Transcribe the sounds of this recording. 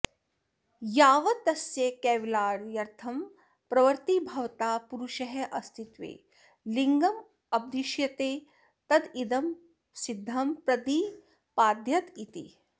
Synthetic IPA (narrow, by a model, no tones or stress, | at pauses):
jaːʋɐt̪ɐsjɐkɛːʋlaːɾjɐɾt̪ʰɐm | pɾɐʋɐɾt̪ibʱɐʋt̪aːpuɾuʃɐɦɐʔɐst̪ʰit̪ʋḛː | liŋɡɐm | ɐb̚d̪iʃjɐt̪eː | t̪ɐd̪id̪ɐm | sid̪ʱːɐmpɾɐd̪iː | paːd̪ʱjɐt̪it̪ḭ